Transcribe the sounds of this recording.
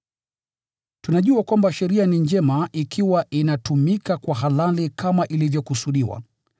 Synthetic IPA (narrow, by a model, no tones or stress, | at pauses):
tunaʄuakwambaʃɛɾianiɲd͡ʒɛmaʔikʰiwaʔinatumikakwaɦalalikamaʔilivjɔkusuɗiwa̰